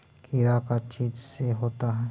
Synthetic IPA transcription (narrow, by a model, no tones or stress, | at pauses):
kiɾakat͡ʃiːd͡ʒseɦoːt̪aɦɛː